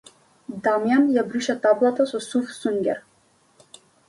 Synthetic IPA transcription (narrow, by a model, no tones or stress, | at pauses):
d̪amjanjabɾiʃat̪ablˠat̪asɔsufsuŋɡʲɛ̰ɾ